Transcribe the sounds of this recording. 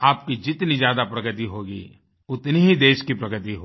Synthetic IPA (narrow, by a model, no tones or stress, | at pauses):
aːp̚kid͡ʒɪt̪nid͡ʒjaːd̪apɾɐɡət̪iɦoːɡi | ʊt̪niɦid̪eːʃkipɾɐɡət̪iɦoː